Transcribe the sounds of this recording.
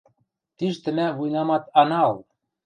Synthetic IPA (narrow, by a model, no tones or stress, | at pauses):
t̪iʃt̪ɘ̆mævujnɑmɑt̪ɑnɑlˠ